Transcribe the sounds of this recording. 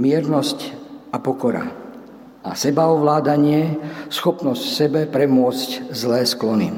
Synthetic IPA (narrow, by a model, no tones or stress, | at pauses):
mɪɛɾnɔscapɔkɔɾa̰ | a̰sɛbaɔʋlaːd̪aɲɪɛsxɔpnɔscsɛbɛpɾɛmʊɔt͡sczlɛːsklɔnḭ